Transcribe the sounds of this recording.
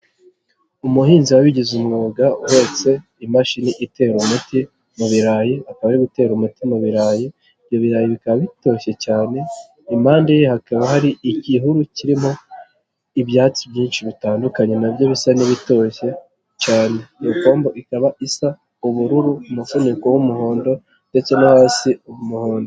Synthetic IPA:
umuɦiːnziwawiɟizumŋuːɡaho̞ːse̞ | imaʃiniʔite̞ːɾumuti | muβiɾaːjiakaβaɾiɡute̞ːɾumutimuβiɾaːji | vjo̞βiɾaːjiβikaβaβito̞çe̞caːne̞ | imaːndejehakaβahaɾiiciɦuɾuciɾimo̞ | iβjaːt͡siβjiːnʃiβitaːndukaɲe̞naβjo̞βisaniβito̞ːçe̞ | t͡ʃaːne̞joko̞ːmboʔikaβaʔisa | uβuɾuɾumufunikowumuho̞ːndo̞ | nde̞t͡se̞nahaːsiuumuho̞ːndo

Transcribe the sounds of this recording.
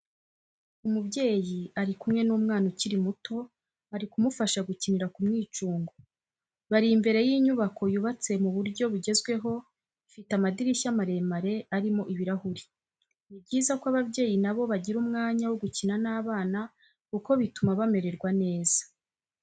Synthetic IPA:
umubɟe̞ːjiaɾikumŋe̞nuːmŋaːnociɾimuto̞ | aɾikumufaʃaɡuciniɾakumŋiːt͡ʃuːŋɡo | βaɾiːmbe̞ɾe̞jiːɲuβako̞juβat͡se̞muβuɾɟo̞βuɟe̞zɡwe̞ɦo̞ | ifitamadiɾiçamaɾe̞maɾe̞aɾimo̞ʔiβiɾahuɾi | ib̚ɟiːzakwaβabɟe̞ːjinaβo̞βaɟiɾumŋaːɲawoɡucinanaːβaːna | kuko̞βitumaβame̞ɾe̞ɾɡwane̞ːz̥ḁ

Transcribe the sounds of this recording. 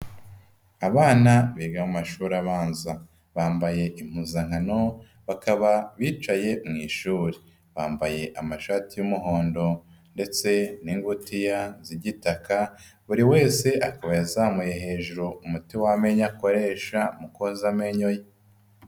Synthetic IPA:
aβaːnaβiːɡamumaʃuːɾaβaːnza | βaːmbaje̞ʔim̥huzaŋ̥hano̞ | βakaβaβiːt͡ʃaje̞mŋiːʃuːɾe | βaːmbaje̞ʔamaʃaːtijumuɦo̞ːndo̞ | nde̞t͡se̞niːŋɡutijaziɟitakaβuɾiwe̞ːse̞ʔakaβajazaːmuje̞ɦe̞ːʒuɾoumutiwame̞ɲako̞ɾe̞ːʃamukozame̞ɲo̞je

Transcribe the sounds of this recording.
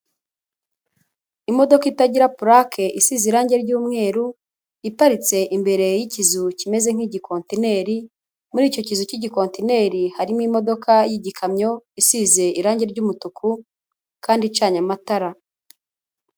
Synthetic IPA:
imo̞do̞kaitaɟiɾapuɾakʰe̞ʔisiːziɾaːɲɟe̞ɾɟuːmŋe̞ːɾu | itaɾit͡se̞ʔimbe̞ɾe̞jicizucime̞ze̞ŋ̥hiɟikʰo̞ntine̞ːɾi | muɾiːco̞cizuciɟiko̞ːntine̞ɾihaɾimwimo̞do̞kʰajiɟikʰamɲo̞isize̞iɾaːɲɟe̞ɾɟuːmutukʰu | kaːndit͡ʃaːɲamataɾa

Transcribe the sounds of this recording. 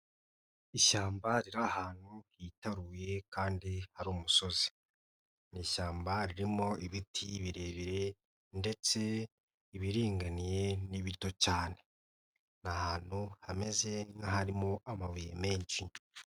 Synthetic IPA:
iʃaːmbaɾiɾahaːn̥huhitaɾuːje̞kaːndihaɾuːmuso̞zi̥ | niʃaːmbaɾiɾimo̞iβitʰiβiɾe̞ːβiɾe̞ | nde̞t͡se̞ | iβiɾiːŋɡanije̞niβito̞caːne̞ | nahaːn̥huhame̞ze̞ŋɡaɦaɾimoʔamaβujḛme̞ːɲʃi

